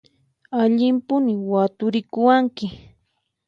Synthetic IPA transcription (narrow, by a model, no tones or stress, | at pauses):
aʎɪmpʊnɪwat̪ʊɾɪkʊwaŋkɪ